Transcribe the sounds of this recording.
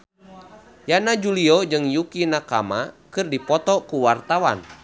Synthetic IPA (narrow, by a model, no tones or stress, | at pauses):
janad͡ʒuliɔd͡ʒɨŋjukinakamakɨrdipɔt̪ɔkuwart̪awa̰n